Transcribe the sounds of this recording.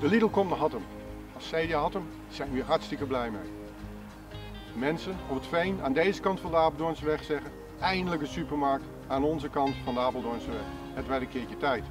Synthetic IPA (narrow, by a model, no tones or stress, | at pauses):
dəlidl̩ˠkɔmdəɦɑtəm | ɑlˠssɛjdəɦɑtəm | z̥ɛjnʋiːɹɦɑɹtstɪkəblɛjmej | mɛnsənɔpətfɛjna̰ːndejzəkɑntfɑndəaːplˠdɔɹnsəʋɛχsɛχən | ɛjndələkdəsypəɹmɑɹk̚t | aːnɔnzəkɑntfɑndəaːpəl̩ˠdɔɹnsəʋɛχ | ətʋɛdəkɪːɹətɛjt